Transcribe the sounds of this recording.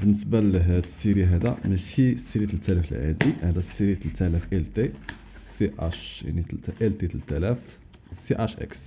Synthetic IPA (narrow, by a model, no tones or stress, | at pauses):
bənːəsbaləɦd̪siɾiɦæd̪æmæʃisiɾit̪lt̪ʰːælæfəlʕa̰d̪ihæd̪æsiɾit̪lt̪ʰːælæfʔælt̪eseʔæʃja̰nit̪ʔælt̪it̪t̪ːælæf | seʔæʃʔæ̰ks